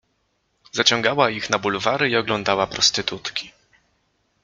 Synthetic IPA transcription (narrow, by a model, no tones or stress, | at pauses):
zat͡ɕɔ̃ŋɡawaixnabulvaɾɘiɔɡlɔnd̪awapɾɔst̪ɘt̪ut̪kʲi̥